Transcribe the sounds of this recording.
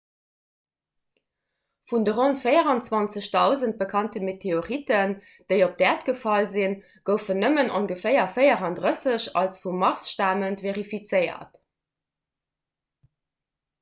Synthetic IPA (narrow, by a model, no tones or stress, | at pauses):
fundəʁontfəɪəʁɑnt͡swɑnt͡səɕdɑʊzənt̚b̥əkʰɑntəmetʰeoʁitən | d̥eɪop̚d̥ɛːtɡ̥əfɑlzin | ɡ̥əʊfənəmənʔoŋɡəfeɪɐfɜɪɐʁɑndʁəsəɕɑ̰lsfumːɑʁsʃtaːməntveʁifit͡səɪɐ̰t